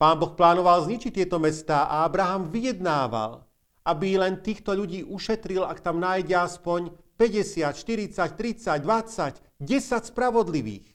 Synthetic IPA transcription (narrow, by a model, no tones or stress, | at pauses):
paːnbɔxplaːnɔʋalzɲit͡ʃict̪ːɪɛt̪ɔmɛst̪aːʔaabɾaɦamʋijɛd̪naːʋa̰l | abilɛnt̪iːxt̪ɔʎuɟiːʔuʃɛt̪ɾilakt̪amnaːjɟɛaspɔɲ | pɛɟɛsɪat̪ʃt̪iɾit͡sact̪ɾit͡saɟd̪ʋat͡sac | ɟɛsacspɾaʋɔd̪liʋḭːx